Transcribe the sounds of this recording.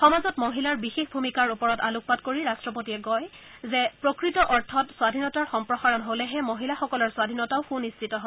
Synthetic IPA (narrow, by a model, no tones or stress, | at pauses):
xɔmazɔtmoɦilaɹbixexbʱumikaɹupɔɹɔtaluk̚patkoɹiɹastɹɔpotiɛɡɔjzɛpɹokɹitɔʔɔɹtʰɔtswadʱinɔtaɹxɔmpɹɔxaɹɔnɦolɛɦɛmoɦilaxɔkɔlɔɹswadʱinɔtaʊxunːistʰitɔɦo